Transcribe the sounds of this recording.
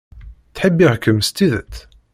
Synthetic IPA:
θħəbːiʁkəmst̪ːiðət̪ː

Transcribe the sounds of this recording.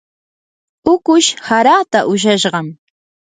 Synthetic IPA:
ʊkʊʃhaɾat̪aʔʊʃ̬aʃɢɑm

